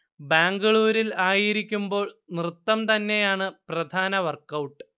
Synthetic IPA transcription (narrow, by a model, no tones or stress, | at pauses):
baːŋɡɐɭuːɾilaːjiɾikʲːumbo̞ːɭnrɨt̪ːɐmt̪ɐnːe̞jaːɳɨprɐd̪ʱaːnɐʋɐrkːɐwʈːɨ